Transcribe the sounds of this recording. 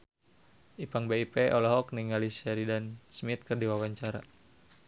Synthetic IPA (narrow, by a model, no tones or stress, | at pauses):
ʔipaŋbeipɛʔɔlɔɦɔkniŋalisɛɾidansmit̪̚kɨrdiwawaɲt͡ʃaɾa